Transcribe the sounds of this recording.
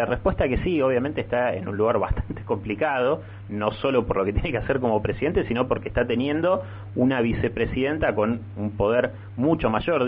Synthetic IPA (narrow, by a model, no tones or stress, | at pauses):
arehpweht̪akesio̞β̞jament̪eːht̪aḛnṵnluɣaɾβa̰ht̪ḁnt̪e̥ko̞mplikaðo̞ | noso̞lo̞poɾlo̞ket̪jenekeaseɾko̞mo̞pɾesiðe̞nt̪esino̞poɾkeːht̪at̪e̞njẽ̞nd̪o̞ | unaβ̞ise̞pɾesiðe̞nt̪ako̞n | umpo̞ð̞eɾ | mut͡ʃo̞maʒo̞ɾ